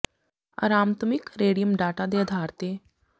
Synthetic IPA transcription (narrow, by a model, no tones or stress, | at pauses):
ɐ̰ɾaːmt̪mɪkɾeːɽijəmɖaːʈad̪eɐd̪ʱaːɾt̪e